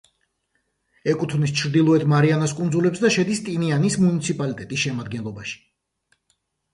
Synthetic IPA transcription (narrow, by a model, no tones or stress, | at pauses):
ɛkʼut̪ʰvnist͡ʃʰɾd̪ilˠɔɛt̪ʰmaɾianaskʼund̪zulɛpsd̪aʃɛd̪ist̪ʼinianismunit̪sʰipʼalit̪ʼɛt̪ʼisʃɛmad̪̚ɡɛnlˠɔbaʃi̥